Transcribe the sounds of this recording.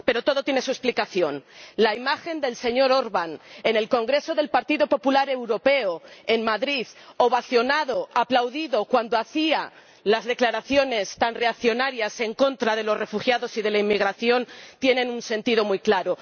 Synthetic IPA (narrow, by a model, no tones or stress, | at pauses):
pe̞ɾo̞t̪o̞ð̞o̞t̪jenesue̞splikaθjo̞nlaimaxe̞nd̪e̞lse̞ɲo̞ɾo̞ɾβane̞ne̞lko̞ŋɡɾe̞so̞ðe̞lpaɾt̪iðo̞po̞pulaɾe̞wɾo̞pe̞oenmaðɾiðoβaθjo̞naðo̞aplawðiðo̞kwand̪oaθia | lazðe̞klaɾaθjo̞ne̞st̪anre̞akθjo̞naɾjase̞ŋko̞nt̪ɾaðe̞lo̞sre̞fuxjaðo̞sið̞e̞laimːiɣ̞ɾaθjo̞nt̪je̞nẽ̞nunse̞nt̪ið̞o̞mujklaɾo̞